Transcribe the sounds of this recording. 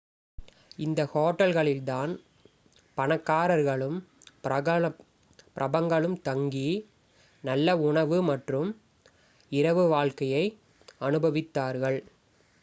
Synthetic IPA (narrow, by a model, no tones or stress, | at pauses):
ɪnd̪ɐhoːʈːɐlɣɐɭɪld̪aːn | pɐnɐkːaːɾɐɾɣɐɭɯm | ɐɐ | pɪɾʔɐbɐŋɡɐɭɯmt̪ɐŋɡi | nɐlːɐʊɳɐʋɯmɐʈrɯm | ɪɾɐʋɯʋaːɭkɐjɐɪ | ɐnɯbɐʋɪt̪ːaːɾɣɐɭ